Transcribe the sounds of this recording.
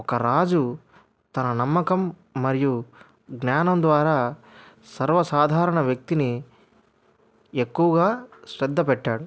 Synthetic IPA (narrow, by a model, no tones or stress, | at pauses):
ɔkɐɾaːd͡ʒu | t̪ɐnɐnɐmːɐkɐmː | ɐɾiju | ɡnaːnɐmd̪ʋaːɾaː | sɐɾʋɐsaːd̪ʱaːɾɐɳɐʋjɐk̚t̪ini | ekːuʋɐɡaːʃɾɛd̪ʱːɐpɛʈːaːɽu